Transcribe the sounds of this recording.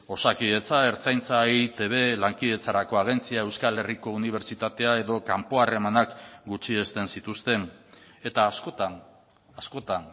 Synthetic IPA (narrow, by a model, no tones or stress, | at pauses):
o̞sakiðe̞t͡sae̞ɾt͡sajnt͡saet̪e̞β̞e̞laŋkiðe̞t͡saɾako̞aɣ̞e̞nt͡siae̞wskale̞riko̞uniβ̞e̞ɾt͡ʃit̪at̪e̞ae̞ðo̞kampo̞are̞manakɡut͡ʃie̞st̪e̞nsit̪ust̪e̞n | e̞t̪aːskot̪an | asko̞t̪an